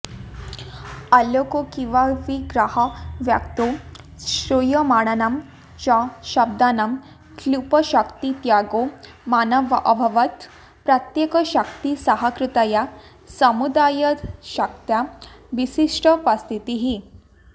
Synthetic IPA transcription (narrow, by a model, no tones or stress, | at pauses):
aljokokĩʋaʋiɡɾaɦəʋjakt̪o | ɕɾujəmaɽ̃ənam | t͡ɕaɕəb̚d̪anam | kʰlupəɕəkt̪it̪jaɡo | manəʋʔəbʱəʋət̪ | pɾət̪jekəɕək̚t̪isəɦəkɾut̪aja | səmud̪ajət̪ɕək̚t̪jaʋisiʂʈʰəpast̪ʰit̪iɦi